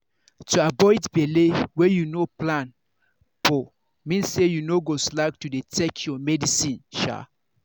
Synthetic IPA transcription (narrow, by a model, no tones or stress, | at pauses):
tʰuabɔɪdbelewɛjunoplãn | pɔ | mĩnsejunoɡoslak̚tudetʰɛkʰjɔmɛdisĩnʃa̰